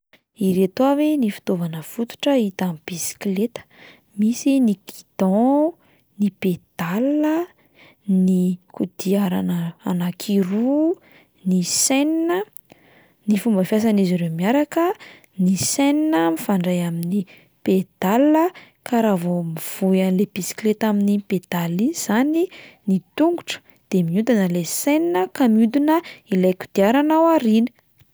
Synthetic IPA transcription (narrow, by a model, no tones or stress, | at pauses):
iɾet̪wavenifi̥t̪ovanəfut̪u̥ʈ͡ʂəit̪amib̥isi̥klet̪ə̥ | misiniki̥d̪̥ɔ̃ | niped̪̥alːə | nikud̪̥iaɾanəanakʰiɾu | niseninə | nifumbəfjas̬aniziɾemiaɾakə | niseninəmifaɳɖ͡ʐajamini | ped̪̥alːə | kʰaɾavomiv̥ujanlepisi̥klet̪aminiped̪̥aliniz̥aninit̪uŋɡuʈ͡ʂə̥ | d̪̥emiut̪anəleseninəkamjud̪unəilajku̥d̪̥iaɾanawaɾinə̥